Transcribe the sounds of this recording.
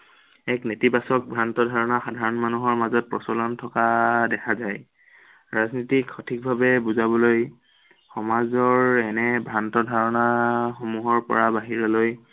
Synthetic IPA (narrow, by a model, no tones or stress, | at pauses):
ɛknetibasɔk̚bʱɹantɔdʱaɹɔnaxadʱaɹɔnmanuɦɔɹmazɔt̚pɹɔsɔlɔntʰɔkadɛkʰazaj | ɹaznitikxɔtʰik̚bʱabɛbuzabɔloj | xɔmazɔɹɛnɛbʱɹantɔdʱaɹɔnaxomuɦɔɹpɔ̰ɹabaɦiɹɔloj